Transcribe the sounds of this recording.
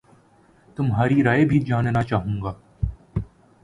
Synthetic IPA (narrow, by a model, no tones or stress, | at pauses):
t̪ʊmɦaːɾiɾaːebʱid͡ʒaːnnat͡ʃaːɦũːɡaː